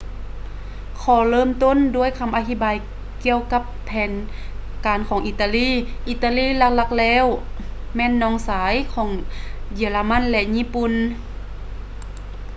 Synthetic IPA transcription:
kʰɔː˨˩lɤː˧˥˨mt̪o˧˥˨ndu˧˥˩əjkʰa˧˥mʔa˧t̪ʰi˧˥˩baː˨j | ki˧˨əwka˧˥pʰːɛː˨nkaː˨nkʰɔː˨˩˦ŋʔi˧t̪aː˧liː˧˥˩ʔiː˧˩t̪ːaː˧liː˧˥˨la˧k̚la˧˩k̚lɛː˧˥˨wmɛː˧˥˨nːɔː˧˩˨ŋsaː˨˦jkʰɔː˨˩˦ŋji˨˩əlaː˧ma˧˥˨nlɛ˧ɲiː˧˥˨pu˧˨n

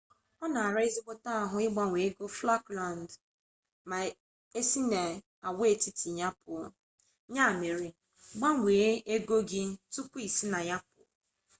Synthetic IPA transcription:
ɔ˦na˨a˨ɾa˦ɪ˦zi˦ɡ͡bo˦ta˦a˨ɦʊ˦ɪ˦ɡ͡ba˦ŋʷe˨e˦ɡo˦fla˦kla˨n˨d | ma˨ | e˦si˦na˨ | a˨we˦˨ti˦ti˨ɲa˦pʊ˨ | ɲa˦a˨me˨ɾɪ˨ | ɡ͡ba˦ŋʷe˨˦e˦ɡo˦ɡɪ˦tu˦ki˨si˦na˨ɲa˦p̚ʊ̰˨

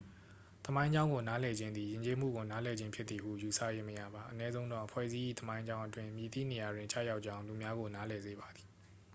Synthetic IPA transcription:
t̪əmã˦ɪ̃ɲd͡ʑã˦ʊ̃ŋɡo˨na˨˦lɛ˨d͡ʑɪ̃˦nd̪i˨jɪ̃˨ɲt͡ɕe˦m̥ṵ˦˨ɡo˨na˦lɛ˨d͡ʑɪ̃˦mpʰjɪ˦t̪ːi˨ɦṵ˦˨ju˨sä̰˦˨je˦məjä̰˦˨ba˨ʔənɛ˦zõ˦ʊ̃ndɔ̰˦˨ʔəpʰwɛ̰˦˨ʔzi˦ʔḭ˦˨t̪əmã˦ɪ̃ɲd͡ʑã˦ʊ̃ʔətwɪ̃˦mji˨t̪ḭ˦˨ne˨ja˨dwɪ̃˨ɲt͡ɕa̰˦˨ja˦ʊʔ̚t͡ɕã˦ʊ̃lu˨mja˦ɣo˨na˨˦lɛ˨ze˨ba˨d̪i̥˨

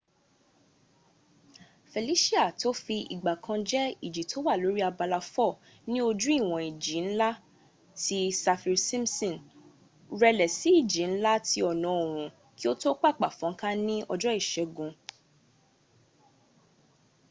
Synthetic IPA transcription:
fe˨li˨˦ʃi˦a˦˨to˦fi˧ḭ˨ɡ͡ba˨kʰã˧d͡ʒɛ˦i˦˨d͡ʒi˨tʰo˨˦wa˦˨lo˨˦ɾi˦a˧ba˧la˧fɔ˦˨ | nĩ˦o˧d͡ʒũ˦i˦˨w̃ɔ̃˨i˨d͡ʒi˨˦n̩˦la˦ | ti˦sa˧fi˧sĩ˦msɔ̃˦˨n | ɾɛ˧lɛ˨si˨˦i˦˨d͡ʒi˨˦n̩˦la˦tʰi˧˦ɔ˨nã˨˦o˨ɾ̃ũ˨ | ki˦o˦to˦k͡pa˦˨k͡pa˨fɔ̃˨˦ŋ̩˦kã˦nĩ˦ʔɔ˧d͡ʒɔ˦i˦˨ʃɛ˨˦ɡũ˧

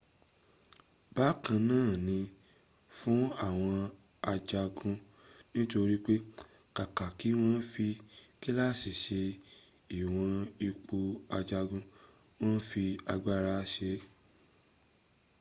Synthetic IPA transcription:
ba˨˦kã˧nãː˦˨nĩ˧ | fũ˦a˦˨w̃ɔ̃˧ | a˧d͡ʒa˧ɡũ˧ | nĩ˦to˧ɾi˦k͡pe˦ | ka˨ka˨ki˨˦w̃ɔ̃˦fi˧ki˦la˦˨si˨ʃe˧ | i˨w̃ɔ̃˧i˧k͡po˧a˧d͡ʒa˧ɡũ˧ | w̃ɔ̃˦fi˧a˧ɡ͡ba˦ɾa˧˦ʃe˧˦

